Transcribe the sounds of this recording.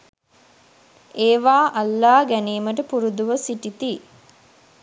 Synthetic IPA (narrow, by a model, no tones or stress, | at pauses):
eːʋaːʔalːaːɡæniːməʈəpuɾud̪uʋəsiʈit̪i